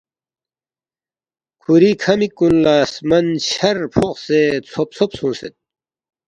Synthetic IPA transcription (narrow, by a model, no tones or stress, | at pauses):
kʰuɾikʰɐmikːunlaːsmɐnɕɐɾpʰoqset͡sʰop̚t͡sʰopsũːset̪̚